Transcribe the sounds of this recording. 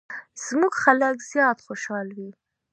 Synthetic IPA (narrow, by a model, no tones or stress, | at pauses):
z̥muɡxaləkzjɑt̪xoʃɑlwi